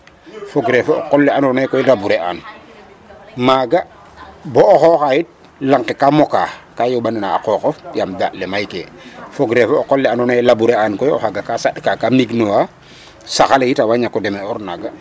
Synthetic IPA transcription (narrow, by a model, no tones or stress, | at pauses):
foɡɾefoɔ̰qɔlːɛanɔnajkɔjilabuɾeʔa̰ːn | maːɡa | bɔːxɔkajit̚ | laŋkekamɔka̰ːkajobananaa̰kɔkɔjamdaʔlɛmajkefoɡɾefɔːkɔlːɛanɔnaɛlabuɾeankɔjɔ̰haɡakasaɗkakaːmiɡnowa | saxalejitawaɲakːɔdɛmɛɔɾnaɡa